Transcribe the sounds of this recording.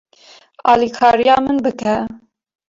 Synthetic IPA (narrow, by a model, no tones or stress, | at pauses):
ɑːlikʰɑːɾijɑːmɨnbɨkʰɛ